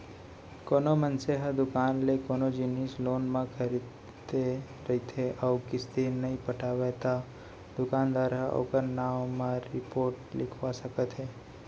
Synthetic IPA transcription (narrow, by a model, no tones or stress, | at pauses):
koːnomənseɦəd̪ʊkaːnlekoːnod͡ʒɪnisloːnmãkʰəɾid̪ | t̪e | ɾɐɦit̪ʰeʔəʋkɪst̪enɐɦĩpəʈʰaːʋet̪a | d̪ʊkaːnd̪ʋaːɾaʔo̰ːkəɾnaːʋmãɾɪpoːɾʈlɪkʰʋasəkət̪ɦɛː